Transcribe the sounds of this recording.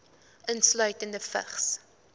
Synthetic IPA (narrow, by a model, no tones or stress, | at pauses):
ʔənslœɥtəndəfə̰χs